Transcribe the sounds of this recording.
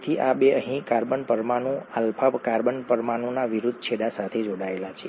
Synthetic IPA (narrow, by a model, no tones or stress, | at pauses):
t̪ʰiʔabeəɦĩkaɾbəɳpəɾmaɳũalpʰapkaɾbəɳpəɾmaɳ̃ũnaʋiɾud̪ʱːt͡ʃʰeɽasat̪ʰed͡ʒoɽaelat͡ʃʰe